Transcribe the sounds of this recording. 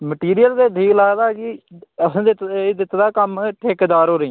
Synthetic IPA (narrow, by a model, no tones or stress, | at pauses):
məʈiːɾijəlzeːb̪ʱiːklaːɡd̪aːkɪəsːd̪ɪt̪ːd̪ɪt̪d̪aːkəmʈʰeːkd̪aːɾɦoːɾəĩː